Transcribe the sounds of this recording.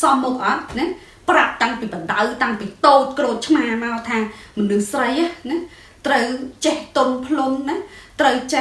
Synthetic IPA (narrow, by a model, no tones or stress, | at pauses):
sɑmːɔk̚ʔɑt̪̚nɛ | prap̚t̪aŋpiːpəɗawt̪aŋpiːt̪oːt̪̚kroːt̪̚t͡ɕʰmaːmaɔt̪ʰaːmonɨhsrəjahnɛ | t̪rəwt͡ɕɛht̪onpʰlunnat̪rəwt͡ɕ